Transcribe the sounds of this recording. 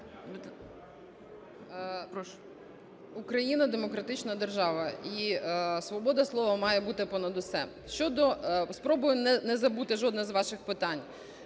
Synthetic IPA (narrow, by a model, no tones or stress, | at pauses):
ukɾɐjinɐd̪emɔkɾɐt̪ɪt͡ʃnɐd̪erʒɑʋɐisʋɔbɔd̪ɐslˠɔʋɐmɑjɛbut̪ɪpɔnɐd̪ʊsɛ̰ | ʃt͡ʃɔd̪ɔspɾɔbʊjʊnɛnɛzɐbut̪ɪʒɔd̪nɐzʋɑʃɪxpɪt̪ɑnʲ